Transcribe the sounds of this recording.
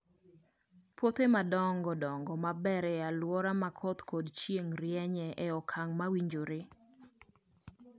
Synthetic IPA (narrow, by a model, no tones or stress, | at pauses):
pwot̪emadɔŋɡɔdɔŋɡɔmabɛɾɛalwɔɾamakʰɔt̪kɔdt͡ʃjeŋɾjɛɲɛʔɛɔkʰaŋmawiɲd͡ʒoɾɪ